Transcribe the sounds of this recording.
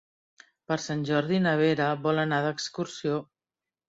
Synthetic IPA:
pəɾsanʲʒɔɾðinəβ̞eɾəβɔlənaðəkskuɾsio

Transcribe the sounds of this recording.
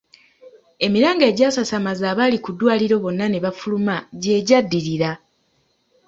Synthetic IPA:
e̞miɾaːŋɡeːɟaːsasamazaːβalikudwaːliɾo̞βo̞nːane̞βafulumaɟe̞ːɟadːiɾiɾa

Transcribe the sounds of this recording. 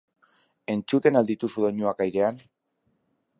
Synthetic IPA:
e̞nt͡sut̪e̞nald̪it̪usuðo̞ɲuakajɾe̞an

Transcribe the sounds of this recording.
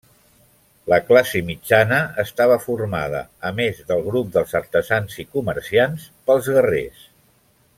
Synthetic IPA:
ləklasimid͡ʒanəəst̪aβ̞əfurma̰ðə̰əmezðəlˠɣɾup̚d̪əlˠzəɾt̪əzanzikuməɾsianspəlˠzɣərḛs

